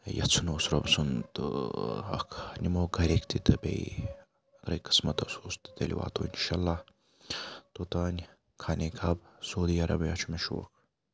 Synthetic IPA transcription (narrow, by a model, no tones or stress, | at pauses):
jɐ̰t͡sʰunoːsɾɐ̰bsunt̪ | ɐ̰kʰnʲimoːɡɐɾʲekt̪it̪ɐbḛj | ɐɡ̪ɾɐjki̥smɐt̪ɐsoːst̪ɨ̥d̪ɐlʲḭwa̰ːt̪oːinʃalːah | t̪ot̪aːnʲ | kʰanʲekʰɐbsoːd̪iːɐɾɐ̰bjat͡ʃʰumeʃṵːk